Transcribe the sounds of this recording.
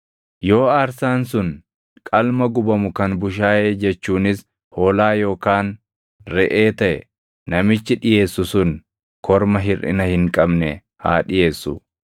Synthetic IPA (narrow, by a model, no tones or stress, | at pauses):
jo̞ːaːɾsaːnsʊn | kʼɐlmɐɡʊbɐmʊkɐnbʊʃ̬aːjeːd͡ʒɛt͡ʃːuːnɪs | ho̞ːlaːjo̞ːkaːn | ɾɛʔeːt̪ɐʔɛ̰ | nɐmɪt͡ʃːɪᶑɪje̞ːsːʊsʊn | kʰɔɾmɐɦɪrʔɪ̰nɐhɪŋkʼɐbnɛ | ha̰ːᶑɪje̞ːsːʊ